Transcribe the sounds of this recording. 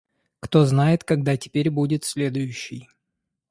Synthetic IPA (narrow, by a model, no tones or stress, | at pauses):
kt̪o̞znajɪt̪kɐɡ̚d̪atʲɪ̥pʲeɾʲbudʲɪt̪sʲlʲed̪ʊjʉɕːɪj